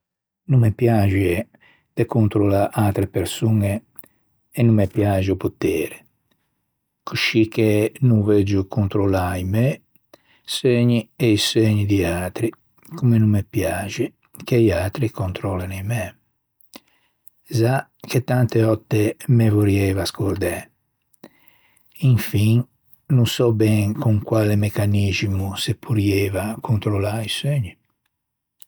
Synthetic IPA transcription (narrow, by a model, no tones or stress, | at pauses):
numːepjad͡ʒie | d̪ekont̪ɾolaʔat̪ɾepeɾsuneː | nːumːepjaːd͡ʒupot̪ɛːɾe | kʰuʃikʰːenuved͡ʒukʰont̪ɾolaimɛ | seɲieiseɲid̪iaːt̪ɾi | kumenumːepjaːd͡ʒi | keiat̪ɾikont̪ɾɔːlanemɛ | zaket̪ːant̪eɔt̪ːemevoɾiɛvaskoɾd̪ɛ | iɱfiŋ | nusɔbɛŋkʰuŋkwaːlemekanizmusepʰuɾiɛːvakʰont̪ɾolaiseɲi